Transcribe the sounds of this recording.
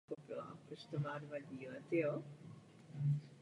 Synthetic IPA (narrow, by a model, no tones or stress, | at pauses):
xopɪla̰pɾost̪omaːdvaɟiːlɛt̪ɪjo